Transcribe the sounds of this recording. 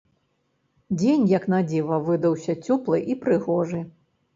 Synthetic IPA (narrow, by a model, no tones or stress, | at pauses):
d͡zʲenʲjɐknad͡zʲivɐvɨd̪ɐwsʲɐt͡sʲɔplˠɨʔipɾɨɣɔʐɨ